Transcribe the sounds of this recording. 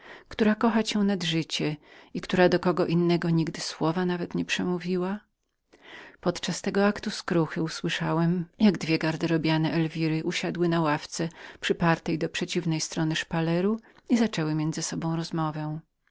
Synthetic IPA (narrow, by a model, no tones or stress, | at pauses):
kt̪uɾakɔxat͡ɕɛwnad̪ʐɘt͡ɕɛikt̪uɾad̪ɔkɔɡɔʔinːɛɡɔɲiɡd̪ɘswɔvanavɛt̪ɲɛpʂɛmuvʲiwa | pɔt̪t͡ʂast̪ɛɡɔakt̪uskɾuxɘuswɘʂawɛmjaɡd̪vʲjɛɡaɾd̪ɛɾɔbʲjanɛʔɛlvʲiɾɘʔuɕad̪wɘnawaft̪sɛpʂɘpaɾt̪ɛjd̪ɔpʂɛt͡ɕivnɛjst̪ɾɔnɘʂpalɛɾuizat͡ʂɛwɘmʲjɛnd̪zɘsɔbɔ̃w̃ɾɔzmɔvɛ̃